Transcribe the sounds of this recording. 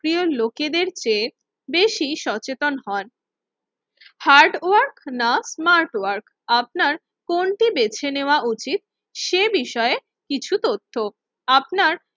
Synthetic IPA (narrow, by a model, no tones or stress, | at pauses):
kɾioloked̪eɾt͡ɕe | beʃiʃɔt͡ɕet̪onɦɔn | haɾɖwaɾknasmaɾʈwaɾk | ap̚naɾ | konʈibet͡ɕʰeneoaut͡ɕit̪̚ | ʃebiʃɔee | kit͡ɕʰut̪ot̪ʰːo | apnaɾ